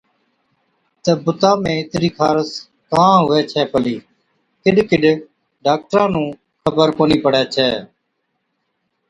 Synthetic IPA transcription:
t̪əːbʊt̪ãːmẽːɪt̪ɾiːkʰaːɾəs | kãːɦʊɛːt͡ʃʰɛːpəliː | kɪɖkɪɖ | ɖaːk̚ʈɾãːnũː | kʰəbəɾkoːniːpəɽɛːt͡ʃʰɛː

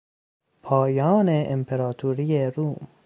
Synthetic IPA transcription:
pʰɒːjɒːneʔempʰeɾɒːt̪ʰuːɾijeɾuːm

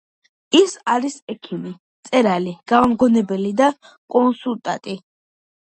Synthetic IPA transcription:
isaɾisɛkʰimi | t̪sʼɛɾaliɡ̥avamɡɔnɛbɛlid̪a | kʼɔnsult̪ʼat̪ʼi

